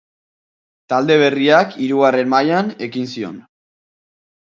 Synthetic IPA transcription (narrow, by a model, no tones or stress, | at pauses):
t̪ald̪e̞β̞e̞riakʰiɾuɣare̞nmajane̞kinsio̞̰n